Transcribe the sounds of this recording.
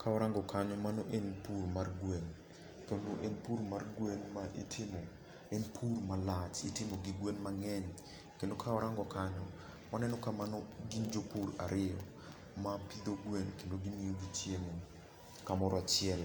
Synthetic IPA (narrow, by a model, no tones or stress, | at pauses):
kʰaɔɾaŋɡɔkaɲɔmanoʔenpuɾmarɡwen | kenoʔenpuɾmarɡwenmaʔḭtʰɪmo | enpʰurmalat͡ʃitɪmoɡiɡwenmaŋɛɲ | kendokʰaɔɾaŋɡɔkaɲɔ | manɛnɔkamanɔɡind͡ʒopuɾa̰ɾʔɪɔ | mapid̪oɡwenkendoɡimijoɡit͡ʃjemo | kamɔɾɔat͡ʃjɛl